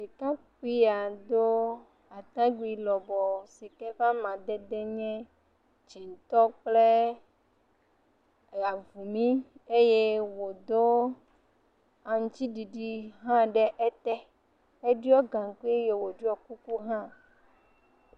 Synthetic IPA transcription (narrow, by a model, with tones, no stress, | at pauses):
si˨kã˦k͡pi˦a˨d̪o˦ | a˨t̪ã˦ɡ͡bi˨lɔ˨bɔ˨si˨kɛ˦ɸa˦mã˨d̪ɛ˦d̪e˦ɲɛ̃˦ | t͡ʃi˨n˨t̪ɔ˦k͡ple˦ | a˨vu˨mĩ˦e˦je˦wo˨d̪o˦ | a˨ŋ˨t͡ɕi˦ɖi˨ɖi˦ɦã˦ɖɛ˦ʔe˦t̪ɛ˦ | e˦ɖi˦ɔ˦ɡã˨ŋ˨ku˦e˦je˨wo˨ɖi˦ɔ˦ku˦ku˦ɦã˦